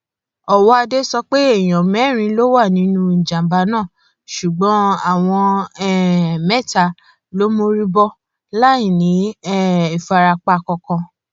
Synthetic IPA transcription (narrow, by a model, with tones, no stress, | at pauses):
ɔ˨wɔ˦a˧de˦sɔ˧k͡pe˦e˦˨j̃ɔ̃˨mɛ˨˦˨ɾ̃ĩ˧lo˦wa˦˨nĩ˨˦nũ˦n̩˨d͡ʒã˨m˨ba˧˦nãː˦˨ | ʃu˨ɡ͡bɔ̃˨˦a˦˨w̃ɔ̃˧ɛ˦mɛ˦˨ta˧˨ | lo˦mo˧ɾi˦bɔ˦ | la˦ĩ˦˨nĩ˨˦ɛ˦i˨fa˨˧ɾa˧k͡pa˧kɔ̃˧kɔ̃˧